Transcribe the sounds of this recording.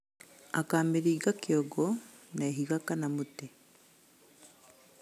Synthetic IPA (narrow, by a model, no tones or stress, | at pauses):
akaːmeɾiːɡakjoɡɔ | naeɦiɣakanamute